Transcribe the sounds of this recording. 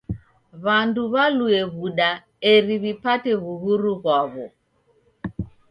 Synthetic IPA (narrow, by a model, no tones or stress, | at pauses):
βanduβaluɛβuɗa | ɛɾiβipatɛβuɣuɾuɣwaβɔ